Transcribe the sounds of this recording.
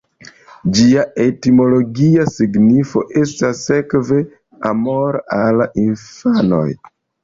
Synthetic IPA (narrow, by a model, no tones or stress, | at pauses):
d͡ʒiaʔe̞timo̞lo̞ɡiasiɡnifo̞̰ʔe̞stasːe̞kve̞ | amo̞ɾalʔinfano̞̰j